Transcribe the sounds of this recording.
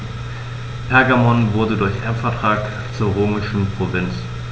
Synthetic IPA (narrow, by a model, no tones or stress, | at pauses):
pʰɛɐɡamɔnvʊɐdədʊɐçʔɛɐpfɛɐtʁ̥aːk | t͡suːɐʁøːmɪʃn̩pʁ̥ovɪnt͡s